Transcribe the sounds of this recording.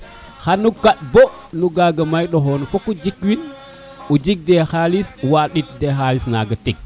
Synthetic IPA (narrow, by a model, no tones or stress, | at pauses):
xanːukaɗ̚bo | nuɡaɡamajɗoɦonofokud͡ʒikwin | ud͡ʒik̚dexaliswaɗit̚dexalisnaɡatik̚